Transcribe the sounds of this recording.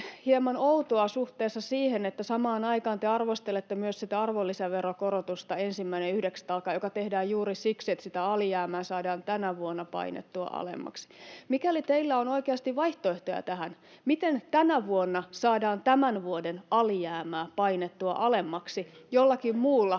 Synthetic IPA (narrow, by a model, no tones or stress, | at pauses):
hiemɑnout̪oɑsuht̪eːsːɑsiːhenet̪ːæsɑmɑːnɑikɑːnt̪eɑrʋost̪elet̪ːemyøssit̪æɑrʋolːiseʋerokorot̪ust̪ɑensimːæineyhdekst̪ɑlkːɑjokɑt̪ehdæːjjuːɾisiksiet̪sit̪æɑlijæːmæːsɑːdɑːnt̪ænæʋuonːɑpɑ̰inḛt̪ːuɑ̰ʔɑ̰lḛmːɑ̰ksi̥mikælit̪eilːæonoikeɑst̪iʋʋɑiht̪oeht̪ojæ̰t̪æhæn | mit̪ent̪ænæʋuonːɑsɑːdɑːnt̪æmænʋuodenɑlijæːmæːpɑinet̪ːuɑ̰ʔɑlemːɑksijolːɑkimmuːlːɑ